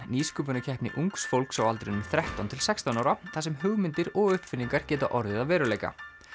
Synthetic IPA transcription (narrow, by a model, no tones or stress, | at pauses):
niːskʏːpʏnʏcʰɛhpnɪ̰ʔuŋksfowlksawalt̪ɾɪnʏmθɾɛht̪ant̪ʰɪlsɛkst̪anaːwɾaθas̬ɛmɦʏɣmɪnt̪ɪɾɔɣʏhpfɪnːiŋkaɾ̥cɛːt̪aʔɔɾðɪðavɛːɾʏleːjka̰